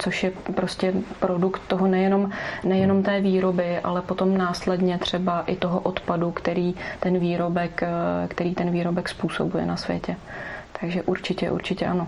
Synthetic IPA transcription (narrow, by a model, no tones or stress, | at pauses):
t͡so̞ʃjɛpɾoscɛpɾo̞dukt̪ːo̞ɦo̞nɛjɛno̞mnɛjɛno̞mt̪ɛːviːɾo̞bɪʔa̰lɛpot̪o̞mnaːslɛdɲɛt̪r̝̥ɛbaʔɪt̪o̞ɦoʔot̪padukt̪ɛɾiːt̪ɛnviːɾo̞bɛkkt̪ɛɾiːt̪ɛnviːɾo̞bɛkspuːsobujɛ̰nasvjɛ̰cɛ | t̪ʰaɡʒɛʔuɾt͡ʃɪcɛʔṵɾt͡ʃɪcɛʔano̞